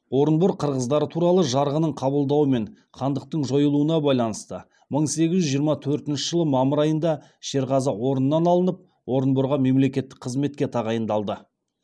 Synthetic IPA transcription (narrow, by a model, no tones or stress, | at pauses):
wo̞ɾənbʊɾqʰəɾʁəzd̪ɑɾət̪ʰuɾɑlˠəʒɑɾʁənəɴqʰɑbəlˠd̪ɑwəme̞ɴ | χʰɑnd̪əq̚t̪əɴʒo̞jəlˠuənɑbɑjlˠɑnəst̪ə | məɴse̞ɡʲɪzʒʏʒijəɾmɑt̪ʰɵɾt̪ɪnʃəʒ̥əlˠəmɑməɾɑjənd̪ɑ | ʃe̞ɾʁɑzəwo̞ɾənːɑnɑlˠənəp̚ | wo̞ɾənbʊɾʁɑme̞mle̞kʲe̞t̪ːɪ̥k̚ʲqʰəzme̞t̪̚kʲe̞t̪ʰɑʁɑjənd̪ɑlˠd̪ə